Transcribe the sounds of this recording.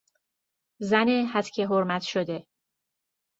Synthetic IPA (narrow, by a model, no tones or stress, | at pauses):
zænehæt̪cʰeɦoɾmæt̪ʃod̪e